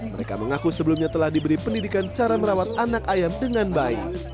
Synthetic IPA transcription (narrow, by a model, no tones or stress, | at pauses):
məɾeka̰məŋakusəbəlumɲat̪əlahdibəɾipəndidikant͡ʃaɾaməɾawat̪̚anakajamdəŋanbaḭk